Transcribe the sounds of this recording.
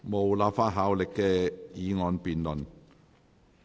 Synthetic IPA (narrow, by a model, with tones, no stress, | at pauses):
mo˨wlaː˨˧p̚faː˥t̚ɦaː˨˧˥wlɪ˨kːɛː˧jiː˨˧ŋɔː˨˧npiː˨nlɵ˨˩n